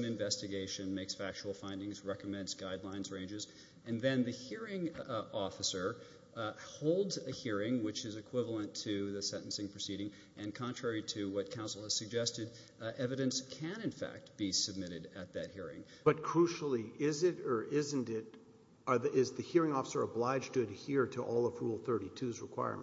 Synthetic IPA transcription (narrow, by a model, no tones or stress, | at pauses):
mɨ̃ɱvɛstɨɡeɪʃɨ̃nmeɪksfæk̚t͡ʃul̩ˠfãɪ̃ndɪ̃ŋzɹɛkəmɛ̃ndzɡaɪdˡlãɪ̃nzɹẽɪ̃nd͡ʒɨz | ɨ̃nðɨ̃nðɨhiɹɪ̃ŋɔfəsə˞ | hoʊlˠdzɨhiɹɪ̃ŋwɨt͡ʃɨzɨkʰw̥ɪvl̩ˠə̃ntʰɨðɨsɛ̃ɾ̃ʔn̩sɪ̃ŋpʰɹ̥ɨsiɾɪ̃ŋ | ʔɨ̃nkʰɑ̃ntʰɹ̥ɛɹiɾɨwʌt̚kʰãʊ̃nsl̩ˠɨz̥sɨɡ̚d͡ʒɛstɨd | ɛvɨɾɨ̃nskʰɨ̃ñɨ̃nfæ̰k̚t̚b̥isɨb̚mɪɾɨɾɨt̪̚ðɨt̚hiɹɪ̰̃ŋ | b̥ʌt̚kʰɹ̥uʃl̩ˠiʔɪzɪɾə˞ʔɪzɨ̃ntɪɾ | əðɪzðɨhiɹɪ̃ŋɔfəsə˞əblaɪ̥d͡ʒtʰɨɾɨhiɹɾəʔɔlˠəfulˠθɜ˞ɾitʰʉzɹɨkʰw̥a̰ɪə̰˞m̃